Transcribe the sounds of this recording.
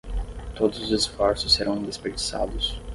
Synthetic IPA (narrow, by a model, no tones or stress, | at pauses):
t̪od̪ʊzʊzesfɔɾsʊsːeɾɐ̃w̃d̪espeɾd͡ʒi̥sa̰d̪ʊs